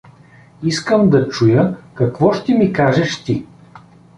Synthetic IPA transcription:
iskəmd̪ɐt͡ʃujəkɐkvɔʃt̪ɛmikaʒɛʃt̪i

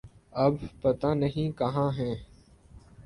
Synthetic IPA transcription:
ɐbpət̪aːnəɦĩːkɐɦãːɦɛ̃ː

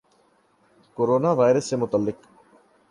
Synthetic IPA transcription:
koːɾoːnaʋaːɪɾəsːemʊt̪əlːɪq

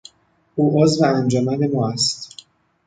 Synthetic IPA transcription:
ʔuːʔozveænd͡ʒɒːmæne̞mɒːæst̪

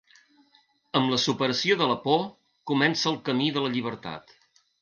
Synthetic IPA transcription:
əmləsupəɾəsioðələpo | kumɛnsəːlˠkəmiðələʎiβ̞əɾt̪a̰t̪

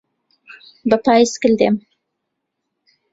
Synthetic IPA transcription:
bəpɑjskəld̪ḛm

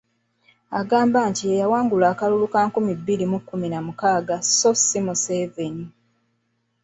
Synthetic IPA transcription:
aɡaːmbaːntiejawaːŋɡulaːkalulukaːŋkumibːilimukːuminamukaːɡasosimuseveni

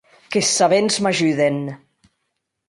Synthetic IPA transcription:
kesːaβenzmaʒyðen

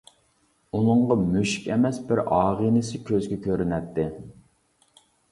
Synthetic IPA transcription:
unɨɴʁɑmyʃkʲɛmɛsbɪɾɑːʁinɨsɪkʲʰøzɡʲɛkʲøɾynɛt̪ʰːɪ

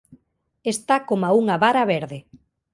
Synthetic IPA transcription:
est̪akomauŋaβaɾaβeɾðe

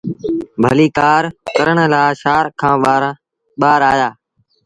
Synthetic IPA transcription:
bʱəliːkaːɾkəɾəɳlaːʃaːɾkʰãː | ɓaːɾaːjaː

